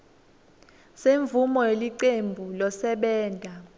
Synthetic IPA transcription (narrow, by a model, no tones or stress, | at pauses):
seɱvumɔjeliǀembʱulɔsɛɓɛːntʼa